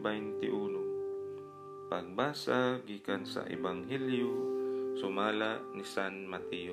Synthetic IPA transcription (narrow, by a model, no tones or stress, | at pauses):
bɛjnt̪ɪʔuːno | paɡ̚baːsaɡiːkansa̰ʔɪ̰baŋɦɛljosʊmaːlaʔnisanmat̪ɛjo